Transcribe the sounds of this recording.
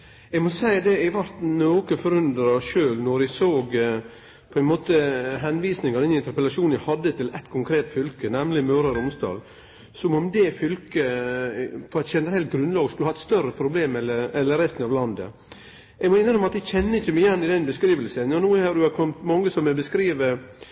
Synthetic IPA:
ɛɡmɔsæɪd̪ɛæʋæɾt̪noːkəfɔɾʉnd̪ɾɑʂøːlnɔɾæsoːɡ | pʰɔɛnmoːt̪əɦɛnʋiːsnɪŋɑɾd̪ɛnɪnt̪əɾpəlɑʂuːnæhɑd̪ːət̪ʰɪlɛt̪kʰʊŋkʰɾeːt̪fʏlkənɛmlɪmøːɾɑɾʊmsd̪ɑ̰ːl | sɔmɔmd̪ɛfʏlkə | pʰɔɛt̪çɛnəɾɛlt̪̚ɡɾʉnlɑːɡskʉləhɑːɛt̪st̪œɾəpʰɾʊbleːmɛlːəɛlːəɾɛst̪ənɑʋlɑnd̪ə̰ | ɛɡmɔɪnːhɑnɔmɑt̪ːæçɛnːəɪçːəmæɪjɛnːɪd̪ɛnbəskɾiːʋəlsənjɑnuːhɑdʉɑkʰɔmt̪mɑŋːəsɔmɛbəskɾiːʋə

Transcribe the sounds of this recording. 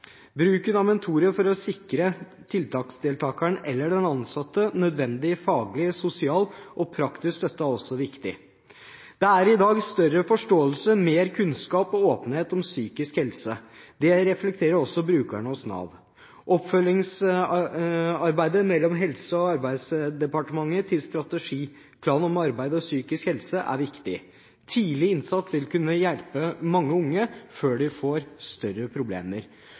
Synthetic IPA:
bɾʉːkənɑmɛnt̪ʰuːɾəfɔɾɔsɪkɾət̪ʰɪlt̪ʰɑːksd̪eːlt̪ʰɑːkəɳʔɛlːəɖɛnɑnsɑt̪ːənœd̪ʋɛnd̪ɪfɑːɡlɪsʊsɪɑːlʔɔpʰɾɑkt̪ɪskst̪œt̪ːɑɔsːɔʋɪkt̪ɪ̰ | d̪̥ɛæɾɪd̪ɑːɡst̪œɾəfɔʂʈoːəlsəmeːɾkʰʉnskɑːpɔoːpən̩heːt̪ɔmsyːkɪskhɛlsəd̪ɛɾɛflɛk̚t̪ʰeːɾəɾɔsːɔbɾʉːkæɳəɔsnɑ̰ːʋ | ʔɔpfœlːɪŋs | ɑɾbæɪd̪əmɛlːɔmɦɛlsəɔɑɾbæɪd̪sd̪ɛpɑʈəmɑŋːət̪ʰɪlst̪ɾɑt̪əʂiː | pʰlɑːnɔmɑɾbæɪd̪əɔsyːkɪskhɛlsəʔæ̰ɾʋɪkt̪ɪ̰ | t̪ʰiːlɪɪnsɑt̪sʋɪlkʉnːəjɛlpəmɑŋːəʊŋːəføːɖɪfoːɾst̪œrəpʰɾʊblḛːməɾ

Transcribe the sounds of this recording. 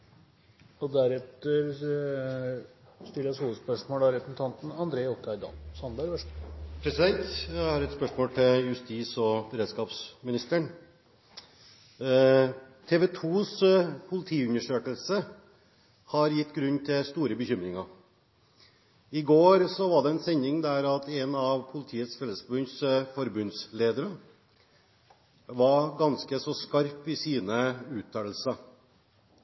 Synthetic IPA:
ɔd̪æɾɛt̪əɾ | st̪ɪlːəsuːʋəspœʂmoːlɑɾɛpɾəsn̩t̪ʰɑnt̪n̩ɑnd̪ɾeːɔt̪ʰɑɪd̪ɑ̰lsɑnbæɾʋœʂpʰɾɛsɪd̪ɛnt̪jæhɑɾɛt̪spœʂmoːlt̪ʰɪljʉst̪iːsɔbəɾeːd̪skɑːpsmɪnɪst̪əɳ | t̪ʰeːʋɛːt̪ʰuːspʰʊlɪt̪ʰiːʉnəʂøːkəlsə | hɑɾjɪt̪ːɡɾʉnːt̪ʰɪlst̪uːɾəbəçʏmɾɪŋɑ | ɪɡoːɾsɔʋɑɖɛɛnsɛɲɪŋd̪æːɾɑt̪ɛnɑʋpʰʊlɪt̪ʰiːət̪sfɛlːəsbʉnsfɔɾbʉnsleːd̪əɾə | ʋɑɡɑnskəsɔskɑɾpɪsiːnəʉːt̪ʰːɑəl̩sə

